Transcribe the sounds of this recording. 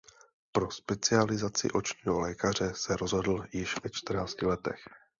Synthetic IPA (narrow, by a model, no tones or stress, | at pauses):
pɾo̞spɛt͡sɪalɪzat͡sɪ̰ʔo̞t͡ʃɲiːɦolɛːkar̝ɛsɛɾo̞zɦo̞dl̩jɪʃvɛt͡ʃt̪r̩naːt͡scɪlɛt̪ɛ̰x